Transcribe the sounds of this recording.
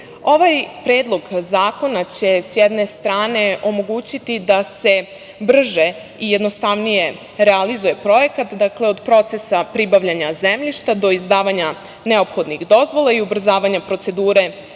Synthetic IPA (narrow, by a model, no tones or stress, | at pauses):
o̞ʋajpɾe̞ːd̪lˠo̞ɡzaːko̞nat͡ɕe̞sjɛd̪ne̞st̪ɾaːne̞ʔo̞mo̞ɡuːt͡ɕit̪id̪ase̞ | br̩ʒe̞ | ije̞d̪no̞st̪aʋnije̞ | ɾealizuje̞pɾo̞je̞kat̪d̪akle̞o̞d̪pɾo̞t̪se̞sapɾibaʋʎaɲazemʎiʃt̪ad̪o̞izd̪aːʋaɲa | ne̞opxo̞d̪niɣd̪o̞zʋo̞laiubr̩zaːʋaɲapɾo̞t̪se̞d̪uːɾe̞